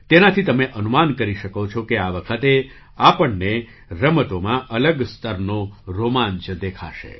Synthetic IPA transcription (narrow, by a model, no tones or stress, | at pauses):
t̪enat̪ʰit̪əmeʔənumankəɾiʃəkot͡ʃʰokeaʋəkʰət̪e | apəɳːe | ɾəmət̪omãʔələɡst̪əɾnoɾomaɲt͡ʃəd̪ekʰa̰ʃḛ